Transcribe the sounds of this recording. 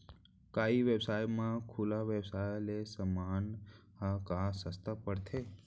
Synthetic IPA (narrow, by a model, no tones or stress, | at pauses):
kaːiʋebsaːjmãkʰulaʋebsaːjlesəmaːnhãkãsəst̪ʰapəɽt̪ʰeː